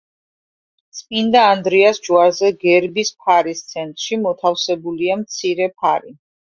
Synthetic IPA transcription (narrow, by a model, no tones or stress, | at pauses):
t̪sʼpʼind̪aːnd̪ɾiasd͡ʒuaɾzɛɡɛɾbispʰaɾist̪sʰɛnt̪ʼɾʃimɔt̪ʰafsɛbuliamt̪sʰiɾɛpʰaɾi